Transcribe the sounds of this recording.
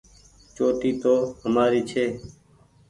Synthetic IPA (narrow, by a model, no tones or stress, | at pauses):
t͡ʃoːʈiːt̪oːhəmaːɾiːt͡ʃʰeː